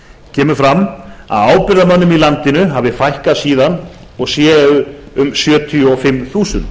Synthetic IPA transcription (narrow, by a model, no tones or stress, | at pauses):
cʰɛːmʏfɾamːa̰ðaːwpɪɾðamanːʏmilant̪ɪnʏɦaːvðɪfajhkasiːðan | ɔɣsjɛːʏmsjœːt̪ʰjɔfɪmːθuːsʏnt̪